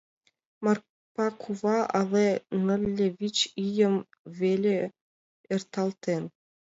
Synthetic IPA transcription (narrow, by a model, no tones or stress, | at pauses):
mɑr | pɑkʰuvɑʔɑlˠenɤ̆lʲːevʲit͡ɕijə̆m | vʲelʲe | ert̪ɑlˠt̪en